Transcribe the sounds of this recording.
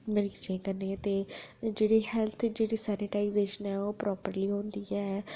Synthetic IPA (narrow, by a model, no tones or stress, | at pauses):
mɪɾɪkt͡ʃẽːkənːeːt̪eːd͡ʒeːɽiːhɛlt̪ʰd͡ʒeːɽiːsɛːnɪʈaːizeːʃənɛːoːpɾɔːpəɾliːɦõːnd̪iːɛː